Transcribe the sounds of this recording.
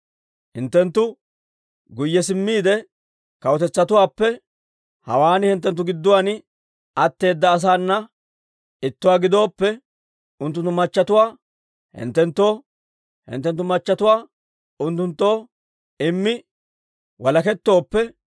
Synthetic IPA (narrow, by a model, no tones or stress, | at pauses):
hɪnt̪ːɛnt̪ːʊ | ɡʊjːɛsɪmːiːd̪ɛ | kɐwɔt̪ɛt͡sːɐt̪ʊwaːpːɛ | hɐ̰waːnɪhɪnt̪ːɛnt̪̬ːʊɡɪd̪ːʊwaːn | ɐt̪ːe̞ːd̪ːɐːs̬aːnːɐ | ɪt̪ːʊwaːɡɪd̪o̞ːpːɛ | ʊnt̪ːʊnt̪ːʊmɐt͡ʃːɐt̪ʊwaː | hɪ̰nt̪ːɛnt̪ːo̞ː | hɪ̰nt̪ːɛnt̪ːʊmɐt͡ʃːɐt̪ʊwaː | ʊnt̪ːʊnt̪ːo̞ː | ɪmːɪ | wɐlɐkɛt̪ːo̞ːpːɛ